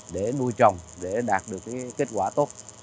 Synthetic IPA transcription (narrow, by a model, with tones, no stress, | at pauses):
ɗe˧˩nu˧jt͡ɕɔ˨˩wŋ͡mɗe˧˩ɗaː˨˩t̚ɗɨ˨˩əkːa˨ke˦˥t̚kwaː˧˩t̪o˦˥t̚